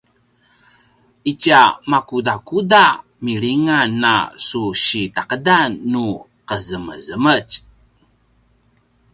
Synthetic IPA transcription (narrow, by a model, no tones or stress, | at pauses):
it͡ʃiamakudakuda | miɾiŋanːa̰suɕitaqədanːu | qəzəməzəmət͡ʃ